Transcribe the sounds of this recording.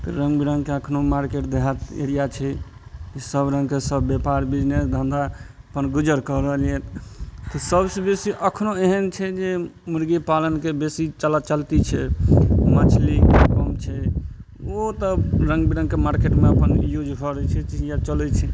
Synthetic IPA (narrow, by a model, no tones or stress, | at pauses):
t̪ɔɾə̃ŋɡbiɾə̃ŋɡkeəkʰnomaɾkeʈ̚d̪eɦat̪ḛɾijat͡ʃʰɛkisəbɾə̃ŋɡkesəbːjepaɾbid͡ʒnesd̪ʱə̃nd̪a | əpənɡud͡ʒəɾkəɾəliɛt̪ɔsəbsebesiʔəkʰnoeɦənt͡ʃʰɛd͡ʒemuɾɡipalənkebesit͡ʃəlat͡ʃəlt̪it͡ʃʰɛmət͡ʃʰlikəmt͡ʃʰɛ | ot̪əɾə̃ŋɡbiɾə̃ŋɡkemaɾkeʈmeəpənjud͡ʒɦəɾɛt͡ʃʰɛt͡ʃijat͡ʃəlɛt͡ʃʰɛ